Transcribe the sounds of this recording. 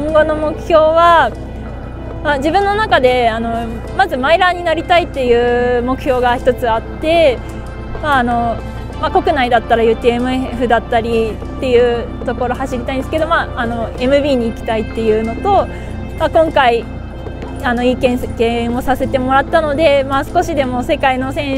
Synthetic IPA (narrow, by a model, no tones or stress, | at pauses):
õŋɡo̞no̞mo̞kɯ̟̥çʲo̞ːβa | mad͡ʑibɯ̟̃nːo̞nakad̪e̞ano̞ | mazɨmaiɾaɲ̟inaɾʲit̪ait̪ːe̞jɯ̟ːmo̞kɯ̟ço̞ːɡaçi̥t̪o̞t͡sɨat̪ːe̞ | maːno̞ | mako̞kɯ̟naid̪at̪ːaɾajɯ̟ːt̪eemɯ̟eɸɯ̟d̪at̪ːaɾʲi | t̪ːe̞jɯ̟ː | t̪o̞ko̞ɾo̞haɕiɾʲit̪aĩnd̪esɨ̥ke̞d̪omaːno̞e̞mɯ̟bʲiːɲ̟iːkʲi̥t̪ait̪ːe̞jɯ̟ːno̞t̪o̞ | makõ̞ŋkai | ano̞ikẽ̞ɰ̃ɡẽo̞sase̞t̪e̞mo̞ɾat̪ːano̞d̪e̞masɨ̥ko̞ɕid̪e̞mo̞se̞kaino̞sẽ̞